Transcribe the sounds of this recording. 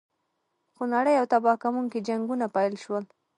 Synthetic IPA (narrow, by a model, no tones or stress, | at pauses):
xonaɽəjawt̪abɑkamuŋkid͡ʒaŋɡunapajlʃwəl